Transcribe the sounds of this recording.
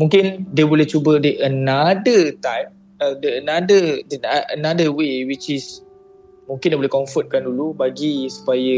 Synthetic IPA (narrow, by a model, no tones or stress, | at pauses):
mũŋkɪndiəbolɛht͡ʃubədəʔənadət̪ajm | ədəənadədənaʔənadəwewit͡ʃɪs | mũŋkɪ̃ndibolɛkɔɱfɔt̪̚kandulubaɡisu̥pajə